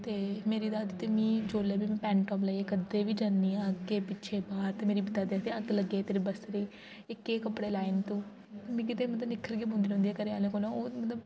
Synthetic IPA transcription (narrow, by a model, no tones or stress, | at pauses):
t̪eːmeːɾiːd̪aːd̪iːt̪eːmĩːd͡ʒoːlɛːbiːmɛ̃ːpɛ̃ːɳʈɔːmlaeːkəd̪eːʋiːd͡ʒaːnːĩːəɡeːpɪːʃʰeːbaːɾt̪eːmeːɾiːbɪt̪aːd̪eːt̪eːəɡləɡːeːt̪eːɾebəsɾeː | ɪkːeːkəpːɽeːlaːɪnt̪ũː | mɛ̃ːkɪt̪eːmət̪ləbnɪkʰːəɾɡiːbɦʊ̃nd̪iːnʊ̃nd̪iːɛːkəɾeːaːlẽːkoːlãːoːmət̪ləb